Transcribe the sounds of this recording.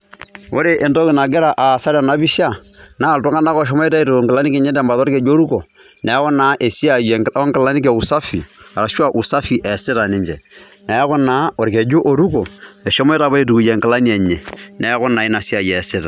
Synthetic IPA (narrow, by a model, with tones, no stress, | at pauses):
o˦ɾe˦ʔe˨ndɔ˦kɪ˨na˨ɡɪ˦ɾa˨ʔa˨sa˦ɾa˨na˨˦bi˦ʃa˦˨ | na˦˨ltɔ˦ŋa˦na˦kɔ˦˨ʃ̬ɔ˦mɔ˦i˦ta˦i˦tu˨o˨ŋkɪla˦ni˦kɛ˨˦ɲɛ˦dɛ˦˨mba˨to˦ɾke˨d͡ʒo˦ɾu˦ko˨ | nɛ˨˦kɔ˦naː˨˦ʔe˨si˦a˨jɔ˦ŋkɪ˨la˦ni˦k̬e˨u˨sa˦fi˨ | a˨ɾa˨ʃwa˦˨ʔu˨sa˦fi˨ʔɛ˨sɪ˦ɾa˨nɪ˦ɲd͡ʒɛ˨ | na˨a˦kɔ˦naː˨˦o˨ɾke˨d͡ʒu˦ʔo˨ɾu˦ko˨ | ɛ˨ʃɔ˦mɔ˦jta˨ba˦i˦˨tu˨ku˨je˨ŋkɪ˨la˦ni˦ɛ˨ɲɛ˨ | nɛ˨˦kɔ˦na˨i˦na˨si˦a˨jɛː˨sɪ˦ɾa˨